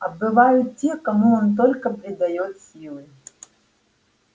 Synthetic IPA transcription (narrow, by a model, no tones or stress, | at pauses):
ɐbɨvajʊt̪tʲekɐmuont̪̬olʲkəpɾʲɪd̪ɐjot̪sʲilˠɨ